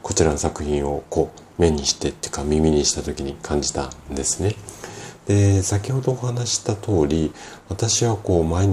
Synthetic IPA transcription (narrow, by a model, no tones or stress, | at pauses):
ko̞t͡ɕiɾano̞sakɯ̟çĩɰ̃o̞ko̞ːme̞ɲ̟iɕi̥t̪e̞t̪ːe̥kamʲimʲiɲ̟iɕi̥t̪at̪o̞kʲiɲ̟ikʰãɲ̟d͡ʑi̥t̪ãnd̪e̞sɨ̥ne̞d̪̥e̞sakʲiho̞d̪o̞ːhanaɕi̥t̪at̪o̞ːɾʲiβat̪aɕiβako̞ːmaeɲ